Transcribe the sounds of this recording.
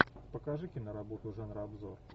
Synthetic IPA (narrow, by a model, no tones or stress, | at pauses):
pəkaʐɨkʲɪnəɾabot̪ʊʐanɾəɐbzor